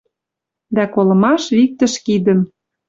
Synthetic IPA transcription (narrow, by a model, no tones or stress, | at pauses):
d̪ækolɤ̆mɑʃβik̚t̪ə̆ʃkid̪ə̆m